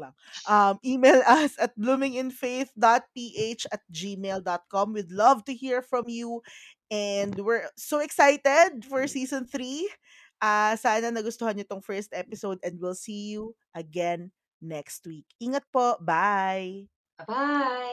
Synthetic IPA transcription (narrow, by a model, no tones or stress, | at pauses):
lɐŋ | ʔɐmʔiːmejlɐsɐt̪̚blumɪ̃ŋɪnfeɪθd̪at̪̚piːʔet͡ʃɐt̪̚d͡ʒiːmeld̪ɔt̪̚kɔmwɪd̪lɐvt̪ʊhiɹfɹɐ̃mju | ɛnd̪wɪɹsoɛksajt̪ɛd̪̚fɔɹsiːsɔ̃nθɾi | ʔasaːnɐnɐɡʊst̪ohɐnjot̪oŋfɛɹst̪ʔɛpɪsowd̪ɛ̃nd̪wɪlsiːju | ʔɐɡɛnː | ɛkst̪̚wikʔiːŋɐt̪̚pobaj | a